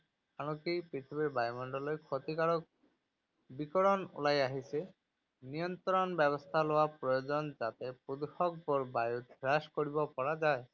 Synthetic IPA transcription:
aɽ̃ɔkejpɾit̪ʰibiɾbajmɔɳɖɔlɔjkʰot̪ikaɽɔk̚ | bikɔɽɔnṵlajaɦise | nijɔnt̪ɾɔnbɛβɔst̪ʰalowapɾɔjod͡ʒɔnd͡ʒat̪epud̪uxɔk̚bɔɾbajut̪ɾaskɔɽibɔpɔɽad͡ʒae

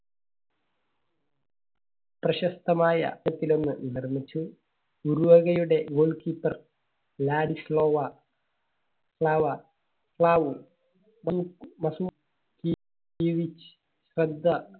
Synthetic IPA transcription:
prɐɕɐst̪ʰɐmaːjɐ̰ɐt̪ːilo̞nːɨnirmit͡ɕːu | uɾuʋoɣɐjuɽe̞ɡoːɭkiːpːɐr | laːɽisloːʋɐ | sɭaːʋɐ | sɭaːʋu | mɐːkmɐsuː | ki | kiʋit͡ɕ | ɕrɐd̪ʱːɐ

